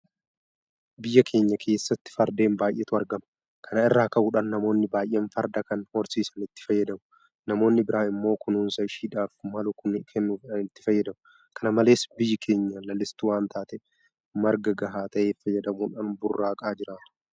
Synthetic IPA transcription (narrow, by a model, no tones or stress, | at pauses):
bɪjːɐkʰe̞ːɲːɐkʰe̞ːsːɐt̪ːɪ̥fɐɾd̪e̞ːmbaːjʔɛt̪ʊɐɾɡɐmɐ | kʰɐnɐɪrːaːkɐʔuːᶑɐnːɐmo̞ːnːɪbaːjʔeːnfɐɾd̪ɐkɐnhɔɾsiːsɐnɪt̪ːɪ̥fɐjːɐd̪ɐmʊ̥ | nɐmo̞ːnːɪbɪɾʔaːɪmːo̞ːkʰʊnuːnsɐɪʃiːᶑaːfmɐlʊkʊnkʰɛnːufɪᶑɐnɪt̪ːɪ̥fɐjːɐd̪ɐmʊ | kʰɐnɐmɐle̞ːsbɪjːɐkʰe̞ːɲːɐlɐlːɪst̪uwaːnt̪aːt̪ɛ | mɐɾɡɐɡɐɦaːt̪ɐʔeːfɐjːɛd̪ɐmuːᶑaːnbʊrːaːkʼaːd͡ʒɪɾaːt̪